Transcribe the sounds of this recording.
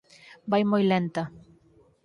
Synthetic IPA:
bajmojlent̪a

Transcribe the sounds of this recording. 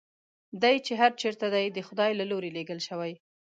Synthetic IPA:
d̪ajt͡ʃeɦaɾt͡ʃeɾt̪ad̪ajd̪əxʊd̪ɑjlaloɾeleɡəlʃəwaj

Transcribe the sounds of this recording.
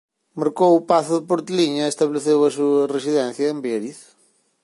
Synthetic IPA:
mɐɾkowupaθʊðɪpoɾt̪liɲɐest̪ɐβleθewɐsuɐresiðɛ̃nθjɐembɛɾiθ

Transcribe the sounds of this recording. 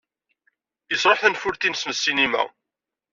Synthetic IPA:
isɾˤoħθənfʊɾθinsməsːinimæ̰

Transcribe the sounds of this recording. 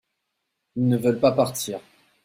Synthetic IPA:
ilnəvœlpapaʁt̪iːʁ

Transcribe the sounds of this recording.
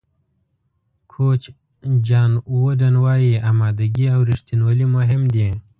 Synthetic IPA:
kʰoːt͡ʃ | d͡ʒaːnwodɐnwaːjiaːmaːd̪ɐɡiawɾiʂt̪inwolimoɦimd̪ĩ

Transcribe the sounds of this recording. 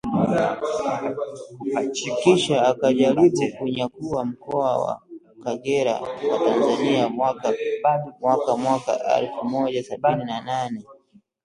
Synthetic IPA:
hat͡ʃikiʃaːkaʄalizikuɲakuwam̩kɔawa̰ | kaɠɛɾa̰watanzaniamwakaɓamwakamwaka̰ʔɛ̰lfumɔʄasaɓininananɛ

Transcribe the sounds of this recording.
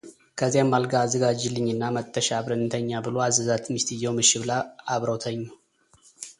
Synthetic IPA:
kʰəzːijamːalɡaːzəɡad͡ʒilɨɲːɨnːamət̪ʰʼːəʃaːβɾɨnːɨt̪ʰəɲːabɨloazəzat̪mist̪ɨjɛwmɨʃɪβlaaβɾəwt̪ʰəɲːu

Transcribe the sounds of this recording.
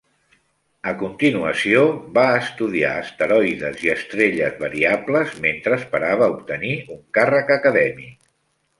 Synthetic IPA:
əkunt̪inuəsioβaəst̪uðia̰əst̪əɾɔjðəziəst̪ɾeʎəzβəɾiabləzment̪ɾəːspəɾaβ̞əup̚t̪əniuŋkarəkəkəðɛmi

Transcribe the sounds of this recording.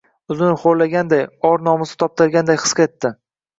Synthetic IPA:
ʊzɪnɪχoɾlaɡʲand̪ajɒɾnɒmɪsɪ̥t̪ʰɒp̚t̪ʰɪɾɡʲand̪ajɨ̥sqet̪ːɪ

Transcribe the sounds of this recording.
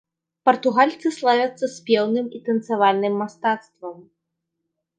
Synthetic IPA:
pɐrt̪uɣalʲt̪sɨslˠavʲɐt̪sːɐsʲpʲɛwnɨmit̪ɐnt̪savalʲnɨmːast̪at̪st̪vɐm

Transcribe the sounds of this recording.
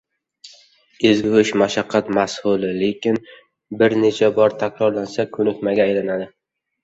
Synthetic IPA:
ɪzɡʊʃmaʃaqʰːɑt̪mashʊlɪle̞kʲɪn | bɪɾne̞t͡ʃʰabɒɾt̪ʰakʲɾɒɾlansakʰɵnʊt̪maɡʲaːjlanad̪ɪ

